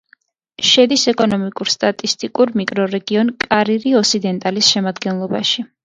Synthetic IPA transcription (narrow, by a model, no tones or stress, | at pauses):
ʃɛd̪isɛkʼɔnɔmikʼuɾst̪ʼat̪ʼist̪ʼikʼuɾmikʼɾɔɾɛɡiɔnkʼaɾiɾiɔsid̪ɛnt̪ʼalisʃɛmad̪ɡɛnlˠɔbaʃi